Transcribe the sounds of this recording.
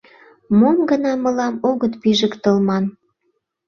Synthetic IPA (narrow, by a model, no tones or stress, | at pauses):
momɡənɑmə̆lɑmoɣət̪piʒə̆kt̪əlmɑn